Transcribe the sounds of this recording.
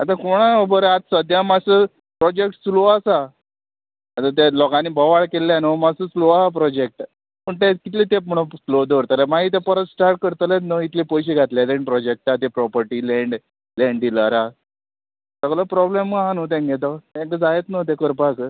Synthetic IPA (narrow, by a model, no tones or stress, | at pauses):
at̪̬ãkoɽ̃ãobəɾat̪səd̪ʱjãmasə | pɾɔd͡ʑek̚ʈsloasa | at̪ãt̪ɛlɔɡãniːbʱəʋaɭkelːjanəmasəsloaap̬ɾɔd͡ʑek̚ʈ | məɳt̪ekit̪let̪epməɽ̃õslod̪oɾt̪əlamaɦiːt̪ɛpəɾət̪sʈaɾʈ̚kəɾt̪əlet̪nəit̪lepojɕ̬iɡʱat̪led̪eɳpɾɔd͡ʑek̚ʈat̪ɛpɾɔpəɾʈiːlɛ̃ɳɖ | lɛ̃ɳɖd̪ilaɾa | səɡləpɾɔblemaɦanot̪ɛ̃ŋɡɛt̪ɔẽkəd͡zajet̪nət̪̬ɛkəɾpak